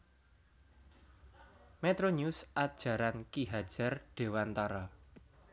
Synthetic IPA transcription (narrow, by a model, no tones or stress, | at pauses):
met̪ɾoɲusʔad̥ʒ̥a̤ɾankiɦad̥ʒ̥a̤rɖ̥e̤want̪aɾɔ